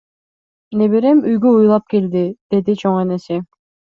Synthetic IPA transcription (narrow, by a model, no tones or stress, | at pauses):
neβeɾemyjɡyujlˠɑp̚keld̪id̪̥e̞d̪it͡ʃʰoŋenesɪ